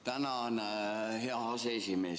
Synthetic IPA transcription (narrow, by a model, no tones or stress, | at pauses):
t̪ænæn | heæɑsesime